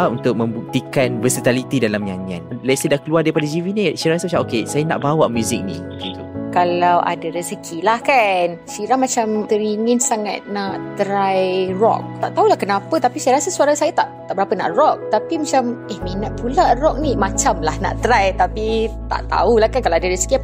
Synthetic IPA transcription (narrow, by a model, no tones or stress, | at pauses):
unt̪ʊk̚mə̃mbuk̚t̪ikanbəsət̪alit̪idalamjaŋa̰nlasadahkəluardaɾipadad͡ʒivinisajaɾasamat͡ʃamokesajana̰ʔbawaʔmjuzɪk̚nḭ̃ɡit̪ukalawʔa̰daɾəsəkʰilahkan | siɾamat͡ʃamt̪əɾiŋinsaŋa̰t̪̚naʔt̪əɾajrɔ̰k̚t̪aʔt̪aulahkənãpat̪apisajaɾasasuaɾasajat̪aʔt̪aʔbəɾapəna̰ʔrɔk̚t̪apimat͡ʃamɛhminaʔ̪̚pularɔk̚nimat͡ʃamlahna̰ʔt̪ɾajt̪apit̪a̰ʔt̪a̰ulahkankalawadaɾəsə̥ki